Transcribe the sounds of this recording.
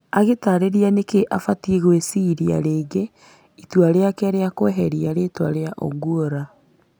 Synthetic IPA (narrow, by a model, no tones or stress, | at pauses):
aɣetaɾeɾianekeʔafatieɣoesiɾia̰ɾeːɡe | itwaɾeakɛɾeakwɛɦɛɾiaɾeːtwa̰ɾeaʔo̰ɡuoɾa